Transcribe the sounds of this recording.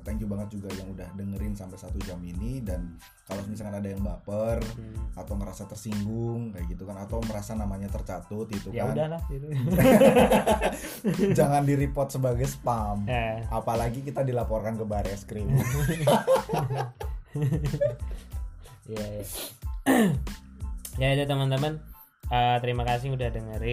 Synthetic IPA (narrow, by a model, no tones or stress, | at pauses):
t̪aŋkubaŋət̪̚d͡ʒuɡajaŋudahdəŋəɾɪnsampajsat̪ud͡ʒaminidan | kalosəmisakanadajaŋbapərat̪awməɾasat̪ərsiŋɡʊŋkajaɡit̪ukanat̪awməɾasanamaɲat̪ərt͡ʃat̪ʊt̪̚it̪ujkandala | d͡ʒaŋandiɾipɔt̪̚səbaɡajsə̥pamaʔapalaɡikit̪adilapɔrkankəbaɾjaskɾim | jaa | jad͡ʒat̪əmant̪əman | əːt̪əɾimakasɪhudahdəŋəɾ